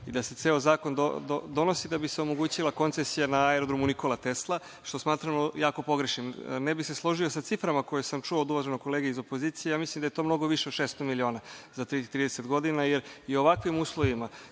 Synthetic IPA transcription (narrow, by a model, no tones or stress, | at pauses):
id̪ase̞t̪eːozaːko̞nd̪o̰d̪od̪o̞no̞sid̪abiseo̞mo̞ɡuːt͡ɕilako̞nt̪sesijanaaeɾod̪ɾomuniko̞lˠat̪e̞slˠa | ʃt̪o̞smaːt̪ɾamojaːko̞po̞ɡɾeʃnimnebixse̞slˠo̞ʒio̞sat̪sifɾamako̞jesamt͡ʃuoːd̪uʋaʒeno̞jko̞leɡeizo̞po̞ziːt̪sijejaːmislimd̪aje̞t̪oːmno̞ɡo̞ʋiʃe̞od̪ʃest̪o̞milio̞ːnazat̪ɾit̪ɾiːd̪eset̪ɡo̞d̪inajeɾio̞ʋakʋimuːslˠo̞ʋima